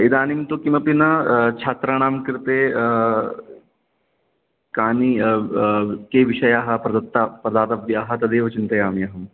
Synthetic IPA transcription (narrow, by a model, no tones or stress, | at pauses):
id̪aːnimt̪okimɐpinɐt͡ʃʰaːt̪ɾañaːmkiɾt̪e | kaːni | keːʋiʃɐjaːɦɐpɾɐd̪ɐt̪ːapɾɐd̪aːt̪ɐbjaːɦɐt̪ɐd̪eːʋɐt͡ʃɪnt̪ɐjaːmjɐɦɐm